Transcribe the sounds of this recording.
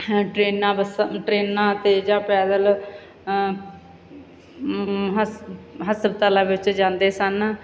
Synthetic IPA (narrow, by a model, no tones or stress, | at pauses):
ʈɾeːnːãːbəsʈɾeːnːãːt̪eːd͡ʒãːpɛːd̪əl | ɦɦəsəbt̪əlãːʋɪt͡ʃd͡ʒãːnd̪eːsən